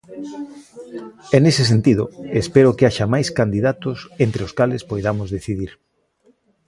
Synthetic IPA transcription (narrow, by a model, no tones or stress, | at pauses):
enesɪs̬ent̪iðʊ̰espeɾʊkeaʃamajskand̪iðat̪ʊsent̪ɾeʊskalɪspojðamʊzðeθiðiɾ